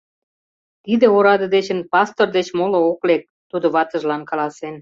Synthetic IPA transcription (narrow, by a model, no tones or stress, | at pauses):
t̪id̪ĕoɾɑd̪ə̆d̪et͡ɕə̆npɑst̪ord̪et͡ɕmolŏoklek̚t̪ud̪ŏβɑt̪ə̆ʒlɑnkɑlɑsen